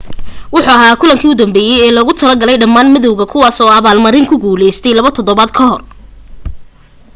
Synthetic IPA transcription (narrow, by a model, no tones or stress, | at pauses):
wʊħuːɐɦaːkʰʊlɐŋkʰiːʊd̪ɐmbɛːjɛjɛːlɔːɣʊt̪ʰɐlɐɡɐlɛjɖɐmːaːnmɪðɔwɣɐkʰʊwaːsɔːɐβaːlmɐɾɪŋkʰʊɡuːlɛjst̪ʰɛjlɐβɐt̪ʰɔðɔβaːd̪kʰɐɦɔr